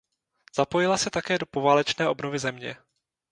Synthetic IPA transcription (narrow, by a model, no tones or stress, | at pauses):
z̥apo̞jɪlasɛt̪akɛːdo̞po̞vaːlɛt͡ʃnɛːʔo̞bno̞vɪzɛmɲɛ̰